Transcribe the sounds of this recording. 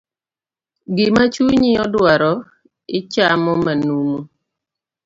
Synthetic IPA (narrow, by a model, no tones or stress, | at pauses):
ɡɪmat͡ʃuɲɪɔdwaɾɔ | ɪt͡ʃamɔmanumu